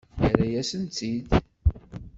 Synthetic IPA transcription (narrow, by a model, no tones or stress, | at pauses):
ɾæjæsənt̪id̪